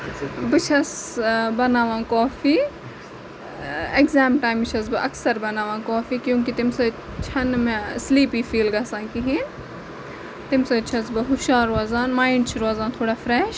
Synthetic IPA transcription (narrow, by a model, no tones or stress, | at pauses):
bɨt͡ʃʰɐsbɐnaːʋãːkoːfiː | ekzaːmʈaːjmt͡ʃʰɐs̬bɨʔɐksɐɾbɐnaːʋãːkoːfiːkjũːk̬it̪ɪmsɨ | t͡ʃʰɐnmẽsliːpiːfiːlɡɐsãːnkiɦĩ | t̪ɪmsɐt͡ʃʰɐsbɨɦʊʃaːɾaːzaːnmaːɪɳɖt͡ʃʰuɾaːzaːnt̪ʰoːɽaːfɾɛːʃ